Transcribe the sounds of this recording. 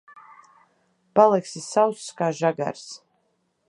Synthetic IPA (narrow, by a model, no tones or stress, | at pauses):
b̥alˠɛksisawsːkʼaːʒaɡa̰ɾs